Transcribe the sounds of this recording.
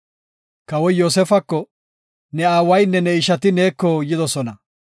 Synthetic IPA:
kɐwɔjjoːs̬ɛfɐkːɔ | nɛaːwɐjnːɛnɛɪʃɐt̪ɪne̞ːkːɔjɪd̪ɔsɔnɐ

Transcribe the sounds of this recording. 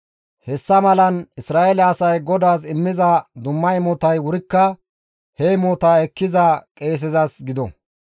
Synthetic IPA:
hɛsːɐmɐlɐnɪsɾaːʔɛlɛɐsɐjɡɔd̪aːsɪmːɪzɐd̪ʊmːɐjmɔt̪ɐjwʊɾɪkːɐ | hɛjmɔːt̪aːɛkːɪzɐkʼe̞ːs̬ɛzɐsɡɪd̪ɔ̰

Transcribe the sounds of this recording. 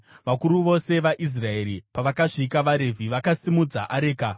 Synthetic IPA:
ʋakuɾuʋo̞se̞ʋaʔis̬rae̞ɾipaʋakaʐikaʋaɾe̞vʱiʋakasimud͡za̰ʔaɾeːka

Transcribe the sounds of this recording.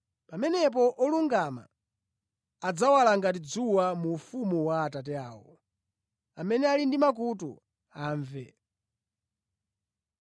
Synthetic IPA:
pamɛnɛp̬ɔʔɔluŋɡama̰ | ad͡zawalaŋɡatid͡zuwamuːfumuwaːtat̬ɛaːwɔ | amɛnɛalindimak̬utṵ | aːɱvɛ̰

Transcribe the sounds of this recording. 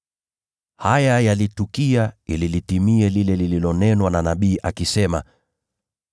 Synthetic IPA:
hajajalitukiaililitimiɛlilɛlililɔnɛnwananaɓiːʔakisɛma̰

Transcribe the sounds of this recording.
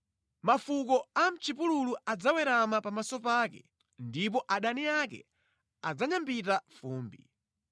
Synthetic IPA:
mafuk̬ɔam̩t͡ʃʰipululuad͡zawɛɾamapamasɔpaːkɛ̰ | ndip̬ɔʔaɗaniakɛ̰ | a̰d͡zaɲambitafuːmbi

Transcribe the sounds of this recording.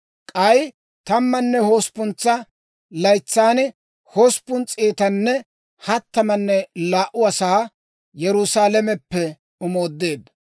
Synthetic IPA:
kʼɐj | t̪ɐmːɐnːɛhoːspʊnt͡sːɐ | lɐjt͡sːaːnɪ | hoːspːʊnt͡sʼːeːt̪ɐnːɛ | hɐt̪ːɐmɐnːɛlaːʔʊɐsaː | jɛɾʊsaːlɐmɛpːɛ | ʊmo̞ːd̪ːe̞ːd̪

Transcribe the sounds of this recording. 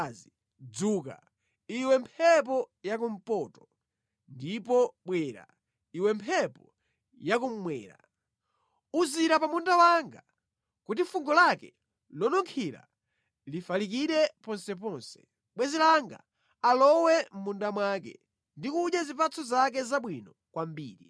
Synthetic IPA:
zi | d͡zuːka̰ | iwɛmpʰɛp̬ɔjak̬um̩pɔtɔ̥ | ndipɔɓwɛɾa̰ | iwɛmpʰɛpɔ | jakum̩mwɛ̰ːɾa̰ | uziɾapamundawaŋɡa | kutifuŋɡɔlakɛ | lɔnɔŋkʰila̰ | lifalik̬iɗɛpɔnsɛp̬ɔnsɛ̥ | ɓwɛzilaŋɡa̰ | alɔwɛm̩mundamwakɛ̰ | ndikuʄjazipat͡sɔzak̬ɛzaɓwinɔ | kwambḭːɾi

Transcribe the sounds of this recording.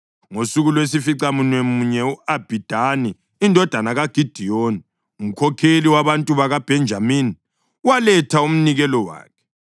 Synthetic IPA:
ŋosuɣulwes̬ifiǀamunwemuɲɛuab̥ʱid̥ʱaniː | ndʱɔd̥ʱanaɣaɡ̥ʱid̥ʱijoːni | um̩kʰɔkʰeliwaβantʼuβaɣab̥ʱɛnd͡ʒʱamini | walɛtʰaum̩niɣɛlɔwa̰ːkʰɛ̥

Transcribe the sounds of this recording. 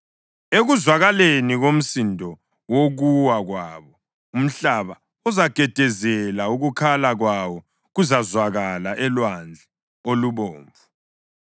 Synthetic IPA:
eɣuzwaɣaleniɣom̩sindʱɔ | woɣuwaɣwaːβɔ | um̩ɬaβa | uzaɡ̥ʱɛd̥ʱɛzɛlauɣukʰalaɣwawɔ | ɣuzazwaɣalaʔɛlwand͡ɮʱɛ | oluβoːɱvu

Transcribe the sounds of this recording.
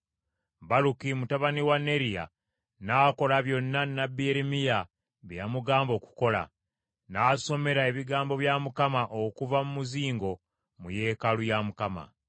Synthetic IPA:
balukimutaβaniwanːe̞ɾija̰ | naːko̞laβjo̞nːanːabieɾemija | βjjamuɡaːmbo̞ːku̥ko̞la̰ | naːso̞me̞ɾae̞βiɡaːmbo̞βjamukamaʔokuvamumuziːŋɡo̞ | muje̞ːkalujamukama̰

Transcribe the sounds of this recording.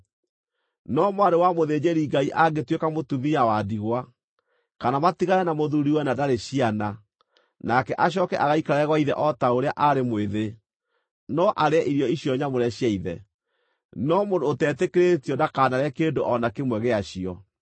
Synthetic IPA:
nɔmwaɾewamoðed͡ʑeɾiɡaiʔaɡetwekamotuðiawadiɣwa | kanamatiɣaɾɛnamoðuɾiwɛnadaɾeɕiana | nakɛʔaɕ̬ɔkɛʔaɣaikaɾaɛɣwaiðɛʔɔtaoɾeaʔaɾemweðe | nɔʔaɾeaʔiɾjɔiɕjɔɲamoɾɛɕjaiðɛ | nɔmondoːtɛːtekeɾetiɔdakaːnaɾɛkendoʔɔnakemwɛɣeaɕiɔ

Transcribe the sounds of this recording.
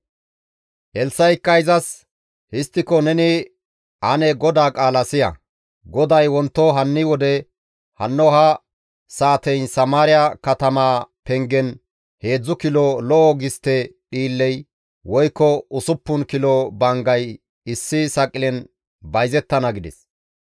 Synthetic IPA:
hɛlsːɐjɪkːɐjzɐs | hɪst̪ːɪkɔnɛnɪ | ʔɐnɛɡɔd̪aːkʼaːlɐsɪjɐ̰ | ɡɔd̪ɐjwɔnt̪ːɔɦɐnːɪwɔd̪ɛ | hɐ̰nːɔɦɐ | saːt̪ɛjnsɐmaːɾɪjɐkɐt̪ɐmaːpɛŋɡɛn | he̞ːd͡zːʊkɪlɔlɔʔɔɡɪst̪ːɛɗiːlːɛj | wɔjkːɔʊsʊpːʊnkɪlɔbɐŋɡɐj | ɪsːɪsɐkʼːɪlɛn | bɐjzɛt̪ːɐnɐɡɪd̪ɛ̰s

